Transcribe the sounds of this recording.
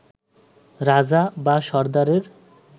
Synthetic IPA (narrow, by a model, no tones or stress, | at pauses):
ɾad͡ʑabaʃɔɾd̪aɾeɾ